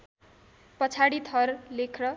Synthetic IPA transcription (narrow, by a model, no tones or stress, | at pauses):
pʌt͡sʰaɽit̪ʰʌrlekʰrʌ